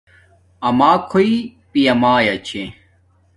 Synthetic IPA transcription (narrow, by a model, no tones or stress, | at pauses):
ɐmaːkʰoipijɐmaːjɐt͡ɕʰe